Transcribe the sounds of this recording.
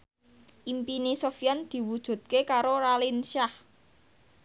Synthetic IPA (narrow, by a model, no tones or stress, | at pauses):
ʔimpinisofjand̪̥i̤wud̥ʒ̥ṳt̪̚kekaɾoɾalinʃah